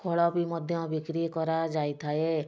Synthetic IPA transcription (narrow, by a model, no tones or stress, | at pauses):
kʰɔɭɔbimɔd̪ʱjɔ̃bikɾikɔɾad͡ʒajt̪ʰae